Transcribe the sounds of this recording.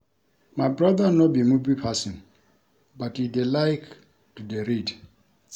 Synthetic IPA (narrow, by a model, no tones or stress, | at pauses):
mabɹaðanɔbimubipʰasĩn | batidelaɪk | tudeɾid